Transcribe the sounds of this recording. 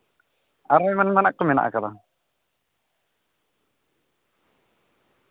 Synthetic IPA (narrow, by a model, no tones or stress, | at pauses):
aɾajmanmɛnaʔ̚kɔmɛna̰ʔa̰kad̪a